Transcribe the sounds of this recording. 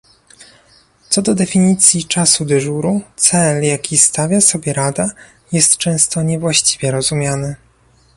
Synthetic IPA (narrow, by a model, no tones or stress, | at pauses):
t̪sɔd̪ɔd̪ɛfʲiɲit̪sʲjit͡ʂasud̪ɘʐuɾut̪sɛljakʲist̪avʲjasɔbʲjɛɾad̪a | jɛst̪t͡ʂɛ̃w̃st̪ɔɲɛvwaɕt͡ɕi̥vʲjɛɾɔzumʲjanɘ